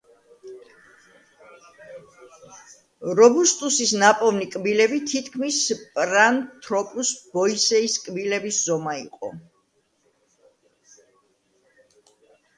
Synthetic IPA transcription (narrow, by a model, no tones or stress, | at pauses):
ɾɔbust̪ʼusisnapʼɔvnikʼbilɛbit̪ʰit̪ʰkʰmispʼɾant̪ʰɾɔpʼusb̥ɔisɛiskʼbilɛbiszɔmaḭqʼɔ̰